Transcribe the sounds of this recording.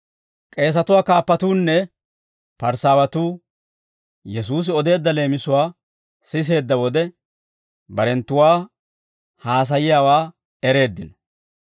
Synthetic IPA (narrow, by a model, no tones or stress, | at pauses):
kʼe̞ːs̬ɐt̪ʊwaːkaːpːɐt̪uːnːɛ | pɐɾsaːwɐt̪uː | jɛs̬uːs̬ɪɔd̪e̞ːd̪ːɐle̞ːmɪsʊwaː | sɪs̬e̞ːd̪ːɐwɔd̪ɛ | bɐɾɛnt̪ːʊwaː | haːs̬ɐjɪjaːwaː | ɛɾe̞ːd̪ːɪn